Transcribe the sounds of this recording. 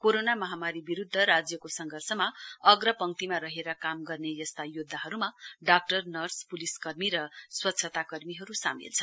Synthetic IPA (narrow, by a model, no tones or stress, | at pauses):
koɾonamʌɦamaɾibiɾud̪ʱːʌɾad͡zjʌkosʌŋɡʱʌrsʌmaʌɡɾʌpʌŋt̪imaɾʌɦeɾʌkamɡʌrnejʌst̪ajod̪ʱːaɦʌɾumaɖak̚ʈʌrnʌrspuliskʌrmiɾʌswʌtːsʰʌt̪akʌrmiɦʌɾusa̰mḭlt͡sʰʌ